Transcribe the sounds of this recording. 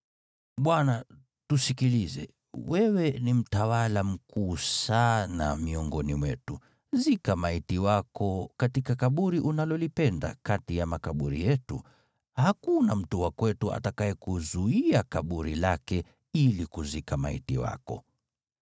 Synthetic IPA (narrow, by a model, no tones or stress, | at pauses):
ɓwana | tusikilizɛ̰ | wʔɛwɛnim̩tawalam̩kuːsana̰miɔŋɡɔnimwɛtu | zikamaitiwakɔkatikakaɓuɾiʔunalɔlipɛnda̰katijamakaɓuɾḭjɛtṵ | hakunam̩tuwakwɛtua̰takaɛkuzuiakaɓuɾilakɛ | ilikuzikama̰ḭtiwa̰kɔ̰